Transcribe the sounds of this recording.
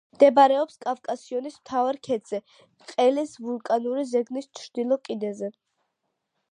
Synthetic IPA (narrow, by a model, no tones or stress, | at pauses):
md̪ɛbaɾɛɔpskʼafkʼasiɔnismt̪ʰavaɾkʰɛd̪z̥ɛ | qʼɛlisvulˠkʼanuɾizɛɡnist͡ʃʰɾd̪̥ilˠɔkʼinɛzɛ